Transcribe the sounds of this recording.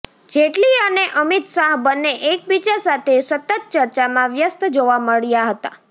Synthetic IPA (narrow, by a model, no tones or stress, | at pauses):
d͡ʒeʈliəneʔəmit̪saɦbənːeʔek̚bit͡ʃasat̪ʰesət̪ət̪̚t͡ʃəɾt͡ʃamãʋjəst̪d͡ʒoʋaməɭjaɦət̪a